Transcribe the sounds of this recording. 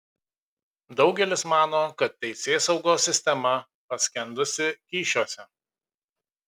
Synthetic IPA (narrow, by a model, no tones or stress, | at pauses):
d̪ɒʊɡʲɛlʲɪsmɑːnoːkɐt̪̚ːʲɛɪsʲeːsɒʊɡoːsʲːɪsʲt̪ʲɛmɐ | pɐsʲkʲɛnd̪ʊsʲɪkʲiːʃʲoːsʲɛ